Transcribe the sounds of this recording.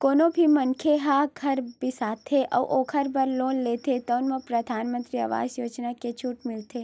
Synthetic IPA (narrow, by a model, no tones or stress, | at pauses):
koːnobʱimənkʰeɦaɡʱɐɾbɪsaːt̪ʰeʔɐ̰ʋʔoːkʰəɾbɐɾloːnleːt̪ʰet̪əːnmãpɾɐd̪ʱaːnmə̃nt̪ɾiɐ̰ʋa̰ːd͡ʒjoːd͡ʒnaket͡ʃʰuʈmɪlt̪ʰeː